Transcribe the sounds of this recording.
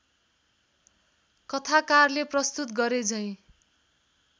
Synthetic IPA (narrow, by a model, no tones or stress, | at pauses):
kʌt̪ʰakarleprʌst̪ut̪ɡʌɾed͡zʌj̃